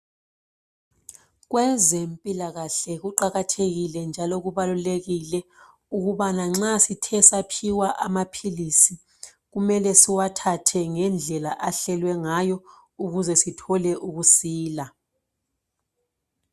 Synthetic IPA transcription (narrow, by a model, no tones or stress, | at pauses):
ɣ̬wɛzempʼilaɣaɬɛɣ̬uǃaɣatʰeɣilɛnd͡ʒʱalɔɣ̬uβaluleɣilɛ | uɣ̬uɓanaŋ͡ǁasitʰɛsapʰiwaʔamapʰilisi | ɣ̬umɛlɛsiwatʰatʰɛŋɛnd͡ɮʱɛlaʔaɬɛlwɛŋajɔ | uɣ̬uzɛsitʰɔlɛʔuɣusiːla